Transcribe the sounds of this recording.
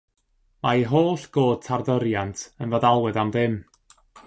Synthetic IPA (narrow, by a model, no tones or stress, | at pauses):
maiɦoːɬɡ̥oːd̚tʰarðəɾjantʰənvɔðalˠwɛðamðɪm